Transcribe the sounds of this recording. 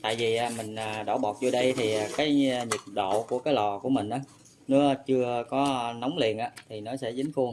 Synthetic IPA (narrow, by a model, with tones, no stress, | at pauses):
t̪a̰ː˧˨jvi˨˩ʔaː˨˩mï˨˩ŋ̟ʔaː˨˩ɗo̰˧˩ɓɔ˨˩t̚t͡ɕo˧ɗə˧jt̪ʰi˨˩a˨˩kaː˨˦jɲi˨˩t̚ɗo̰˧˨ku˧˩əkaː˨˦jlɔ˨˩ku˧˩əmï˨˩ŋ̟ʔaː˨˦ | nɨ˨˦ə˧t͡ɕɨ˧əkɔ˨˦na˨˦wŋ͡mlḭ˨˩ənʔaː˧˦t̪ʰi˨˩nɔ˨˦sɛ̰˧˥zi˨˦ŋ̟xu˧əŋ